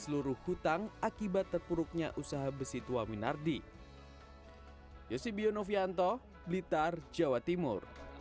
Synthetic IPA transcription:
səluɾʊhhut̪aŋakibat̪ːərpuɾʊk̚ɲa̰ʔusaɦabəsit̪uwaminardi | josibionofiant̪ɔ | blit̪ard͡ʒawat̪imʊr

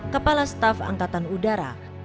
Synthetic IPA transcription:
kəpalast̪afa̰ŋkat̪anudaɾa̰

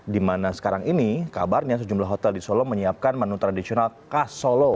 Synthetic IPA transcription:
dimanasə̥kaɾaŋinikabarɲas̬əd͡ʒumlaɦot̪ɛldisoloməɲiap̚kanmanut̪ɾadisionalkasolo

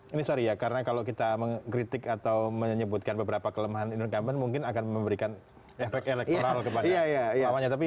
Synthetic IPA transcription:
inisaɾijakaɾənakalokit̪aməŋkɾit̪ɪkat̪awməɲəbʊt̪̚kanbəbəɾapakələmaɦaninunkamənmuŋkɪnakanməmbəɾikan | efɛkt̪elɛk̚ooɾalkətpadaajaawaɲat̪ap̬i

